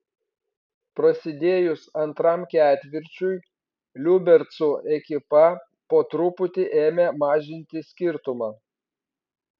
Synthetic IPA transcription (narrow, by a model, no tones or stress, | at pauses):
pɾɐsʲɪd̪ʲeːjʊsɐnt̪ɾɐmkʲæːt̪ʲʋʲɪɾʲt͡ʃʲʊj | lʲʊbʲɛɾʲt̪sʊɛkʲɪpɐ | poːt̪ɾʊpʊt̪ʲɪʔeːmʲemɑːʒʲɪnʲt̪ʲɪsʲkʲɪɾt̪ʊmɑː